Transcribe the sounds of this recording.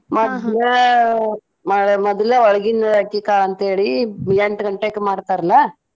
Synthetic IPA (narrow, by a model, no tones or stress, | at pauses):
mɐd̪lɐ | maɽmɔd̪ɐlɐɔɭɐɡinɐɐkːikaːɐnt̪ɐɦeːɭijeɳʈɡɐɳʈekːemaːɽt̪aːɾɐlːa